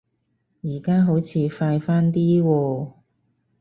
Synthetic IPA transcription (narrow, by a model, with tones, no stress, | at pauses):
jiː˨˩kaː˥ɦo˨˥wt͡sʰiː˨˧faː˧jfaː˥nt̪iː˥wɔː˧